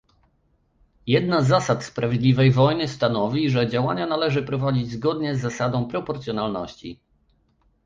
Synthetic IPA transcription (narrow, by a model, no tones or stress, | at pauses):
jɛd̪nazːasat̪spɾavʲjed̪lʲivɛjvɔjnɘst̪anɔvʲiʐɛd͡ʑawa̰ɲanalɛʐɘpɾɔvad͡ʑid͡ʑzɡɔd̪ɲɛzːasad̪ɔ̃w̃pɾɔpɔɾt̪sjɔnalnɔɕt͡ɕḭ